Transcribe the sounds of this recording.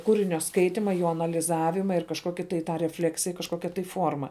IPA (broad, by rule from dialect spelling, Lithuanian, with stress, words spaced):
ˈkuːrʲɪnʲoː ˈskɐɪtʲɪmɐ ˈjoː ɐnɐlʲɪˈzɑːʋʲɪmɐ ɪr kɐʃˈkoːkʲɪ tɐɪ ˈtɑː rʲɛˈfʲlʲæːksʲɪjɛ kɐʃˈkoːkʲɛ tɐɪ ˈfuɔrmɐ